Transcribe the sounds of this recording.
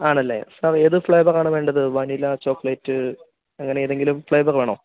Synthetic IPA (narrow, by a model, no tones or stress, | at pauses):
aːɳɐlːḛsɐreðɨfɭɐjbɐraːɳɨʋeːɳɖɐðɨʋɐnilɐt͡ɕo̞ːkːɐɭɐjtːɨ | ɐŋːɐne̞eðe̞ŋɡilumfɭɐjbɐrʋeːɳoː